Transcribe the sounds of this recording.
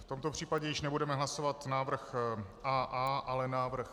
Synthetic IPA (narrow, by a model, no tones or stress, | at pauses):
ft̪o̞mt̪o̞pr̝̥iːpaɟɛjɪʃnɛbudɛmɛɦlaso̞vat̪naːvr̩xʔaːʔaːʔalɛnaːvr̩x